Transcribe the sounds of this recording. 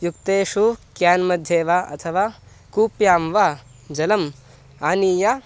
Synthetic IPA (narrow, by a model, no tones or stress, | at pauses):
jukt̪eːʃukjaːnmɐd̪ʱjeːʋaːɐ̰t̪ʰɐʋaː | kuːpjaːmʋa | d͡ʒɐlɐm | aːniːja